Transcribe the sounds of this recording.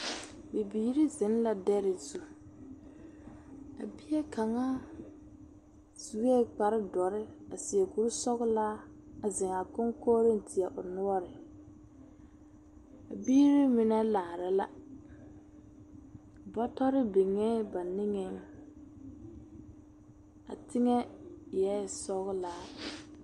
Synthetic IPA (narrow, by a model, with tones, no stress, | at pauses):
bi˨biː˨ɾi˦zɪ˨˦n˦la˨dɛ˦ɾɪ˨zu˨ | a̰˨bɪ˦jɛ˦kʰa˨ŋa˦ | z̥u˨ɣe˦˨k͡pa˨ɾɪ˦dɔ˨ɾɪ˦a˨sɪ˨ɛ˨ku˨ɾʊ˦sɔ˦ɣʊ˦la˦ | a˨zɪ˨ŋa˨kʊ˦ŋkoː˦ɾɪ˦n˨tʰɪ˨ɛ˨ʔʊ˨nʊ˦ɔ˦ɾɪ˨ | a̰˨biː˦ɾɪ˦mɪ˨nɛ˦laː˨ɾɪ˨la̰˦˨ | bɔ˦tɔ˦ɾɪ˦bɪ˨ŋɛ˦ba˨nɪ˦ŋɛ˦ŋ | a̰˨tɪ˦ŋɛ˦jɛ˦˨sɔ˦ɣʊ˦laː˦